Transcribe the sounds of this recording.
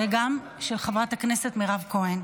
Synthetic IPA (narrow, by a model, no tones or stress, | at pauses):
veɡam | ʃelχavʁathakne̞setmiʁavko̞en